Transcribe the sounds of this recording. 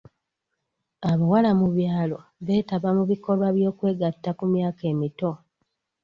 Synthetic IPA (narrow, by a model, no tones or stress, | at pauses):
aβawalamuβjaːlo̞βe̞ːtaβamuβiko̞lwaβjo̞ːkwe̞ːɡatːakumjaːke̞ːmito̞